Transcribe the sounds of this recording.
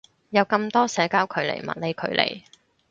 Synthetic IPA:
jɐ˨˧wkɐ˧mt̪ɔː˥sɛː˨˧˥kaː˥wkʰɵ˨˧ɥlḛ˨˩jmɐ̰˨t̚le˨˧jkʰɵ˨˧ɥlʔḛ˨˩j

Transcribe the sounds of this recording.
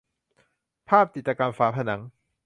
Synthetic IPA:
pʰaː˥˩p̚t͡ɕi˨t̪̚ːt͡ɕaː˧kaː˧nfaː˦˥pʰa˧na˩˦ŋ

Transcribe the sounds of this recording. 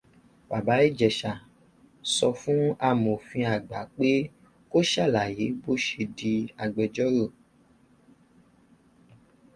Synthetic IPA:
ba˨ba˨˦e˦d͡ʒɛ˨ʃa˨ | sɔ˧fũ˦a˨mõ˨fĩ˧a˨ɡ͡ba˨k͡pe˦ | ko˦ʃa˦˨la˨je˨˦bo˦ʃe˧di˧a˨ɡ͡bɛ˨d͡ʒɔ˦ɾo˦˨

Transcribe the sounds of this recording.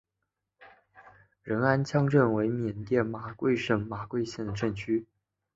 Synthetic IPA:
ɻə˧˥na˥nt͡ɕʰjɑ˥ŋʈ͡ʂə˥˩nwe˧˥ɪmjɛ˨˩nt̪jɛ˥˩nma˨˩kwe˥˧ɪʂə˥˩ŋma˨˩kwe˥˧ɪɕjɛ˥˩nd̪ə˩ʈ͡ʂɤ˥˩ŋt͡ɕʰy˥

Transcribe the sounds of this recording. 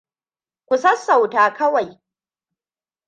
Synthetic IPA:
kʷʊ˨sɐ˦sːa˨wtaː˨kʰɐ˦wa˨j

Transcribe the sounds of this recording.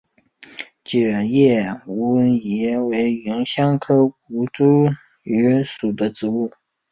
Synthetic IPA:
t͡ɕjə˨˩jɛ˥˩u˧˥jɛ˧˥we˧˥ɪy˧˥nɕjɑ˥ŋkʰɤ˥k̚u˧˥ʈ͡ʂu˥ | y˧˥ʂu˨˩d̪ə˦ʈ͡ʂɻ̩˧˥u˥˩

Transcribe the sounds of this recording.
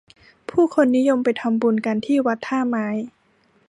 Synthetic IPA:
pʰuː˥˩kʰo˧nːi˦˥jo˧mpa˧jt̪ʰa˧mbu˧˩nka˧nt̪ʰiː˥˩wa˦˥t̪ʰːaː˥˩maː˨˦˥j

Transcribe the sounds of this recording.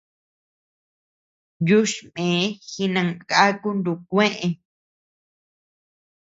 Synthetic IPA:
ju˦ʃmẽ˨˦xi˧nã˧ŋka˦ku˦nd̪u˧kʷẽ˦ʔẽ˧

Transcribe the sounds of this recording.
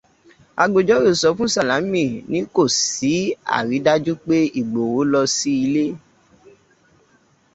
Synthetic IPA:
a̰˧ɡ͡bo˨d͡ʒɔ˨˦ɾo˦˨sɔ˨˧˦fũ˦sa˨la˨˦mĩ˦˨nĩ˦ko˦˨si˨˦a̰˨ɾi˨˦da˦d͡ʒu˦k͡pe˦i˦˨ɡ͡bo˨wo˨˦lɔ˧si˦i˧le˦

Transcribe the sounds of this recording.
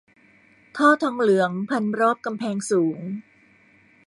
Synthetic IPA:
t̪ʰɔː˥˩t̪ʰɔː˧ŋlɯ˩˦əŋpʰa˧nɾɔː˥˩p̚ka˧mpʰɛː˧ŋsuː˩˦ŋ

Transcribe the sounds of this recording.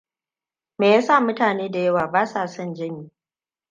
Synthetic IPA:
meː˨jaː˦saː˦˨mʊ˦taː˨neː˦da˨jɐ˦waː˨baː˦saː˦˨sɐ˦nd͡ʒɐ˦niː˨

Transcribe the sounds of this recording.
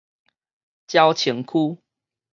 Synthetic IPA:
t͡ɕja˦ʊt͡ɕʰə˨˦ŋkʰu˦

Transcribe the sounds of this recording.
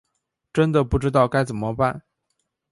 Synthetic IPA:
ʈ͡ʂə˥nd̪ə˨pu˥˩ʈ͡ʂɻ̩˥t̪ɑ˥˩ʊka˥ɪt͡sə˨˩nmə˦pa˥˩n

